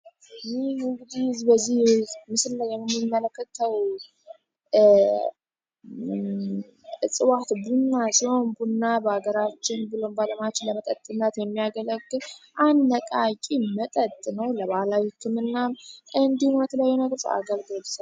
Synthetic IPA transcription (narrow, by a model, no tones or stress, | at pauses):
jiɨŋɡɨd̪izbəzːihmɨslləjːɛmmːimːələkːət̪ʰəw | ɨsʼɨwat̪bunːasiho̞nbunːabəaɡəɾat͡ʃːɪnbɨlombaləmat͡ʃːɪləmət̪ʼət̪ʼːɨnːət̪jɛmːijaɡələɡːɨlʔanːəkʼakʼimət̪ʼət̪ʼnəwləβahlawihɨkʰːɨmɨnːamʔɨnd̪ihumɛt̪ʰəlajːunəɡəɾsəa̰ɡəlɡɨls